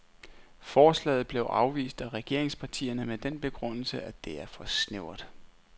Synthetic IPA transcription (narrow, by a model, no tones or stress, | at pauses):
fɒːslɛ̰ɪð̞̩ˠb̥le̝ʊʔɑ̈ʊʋḭːsd̥æʁɛɡ̥e̝ɐ̰e̝ŋspʰɑ̈t͡sʰḭːɐnəmed̥en̰b̥e̝ɡ̥ʁɔ̽n̰l̩səʔæd̥e̝æɐfɒ̽sneʊ̰ɐd̥ˠ